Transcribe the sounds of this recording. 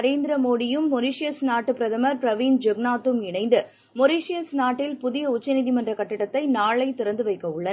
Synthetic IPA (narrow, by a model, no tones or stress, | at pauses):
ɐɾeːnd̪ɪɾɐmoːðɪjɯmːɔɾiːʂɪjɐsnaːʈːɯpɪɾɐðɐmɐɾpɾɐʋiːnd͡ʒɛɡnaːt̪ːɯmɪɳɐɪnd̪ɯ | mɔɾiːʂɪjɐsnaːʈːɪlpʊðɪjɐʊt͡ʃːɐnɪðimɐndrɐkɐʈːɯɽɐt̪ːɐɪnaːɭɐɪt̪ːɪɾɐnd̪ɯʋɐɪkːɐʊɭːɐ